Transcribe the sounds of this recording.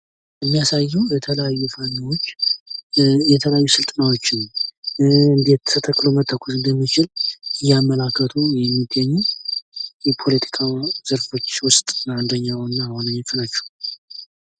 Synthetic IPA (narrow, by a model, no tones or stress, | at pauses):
ɨmːijasajːuwjɛt̪ʰələjajːufaniwot͡ʃː | jɛt̪ʰələjajːusɨlt̪ʼənawo̞t͡ʃːɪn | ɨnd̪e̞t̪ʰːət̪ʰəkːɨlomət̪ʰːəkʷʰusɨnd̪əmːit͡ʃɪlɨjamːəlakːət̪ʰujɛmːiɡəɲːɛ | jɛpʰo̞lət̪ʰi̥kʼʰaz̥əɾfo̞t͡ʃːwʊst̪ʼand̪əɲːawɨnːahonəɲːot͡ʃːnat͡ʃːɛ̥w